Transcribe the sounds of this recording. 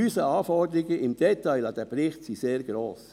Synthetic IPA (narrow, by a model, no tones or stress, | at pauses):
yːsəɑːfɔd̪əɾɪɡəʔɪmd̥ɛt̪aɪlɑd̪̥ɛpɾɪχtsiseːɾɡ̥ɾoːs